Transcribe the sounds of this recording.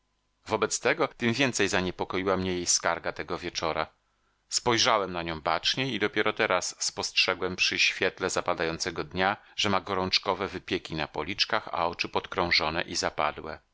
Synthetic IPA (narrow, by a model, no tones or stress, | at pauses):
vɔbɛt̪st̪ɛɡɔt̪ɘmvʲjɛnt̪sɛjzaɲɛpɔkɔjiwamɲɛjejskaɾɡat̪ɛɡɔvʲjɛt͡ʂɔɾʔa | spɔjʐawɛmnaɲɔ̃w̃bat͡ʂɲɛid̪ɔpʲjɛɾɔt̪ɛɾʔasːpɔstʂɛɡwɛmpʂɘɕfʲjɛt̪lɛzapad̪ajɔnt̪sɛɡɔd̪ɲaʐ̥ɛmaɡɔɾɔnt͡ʂkɔvɛvɘpʲjɛkʲina̰pɔlʲit͡ʂkaxa̰ɔt͡ʂɘpɔt̪kɾɔ̃w̃ʐɔnɛ̰ʔizapa̰d̪wɛ̰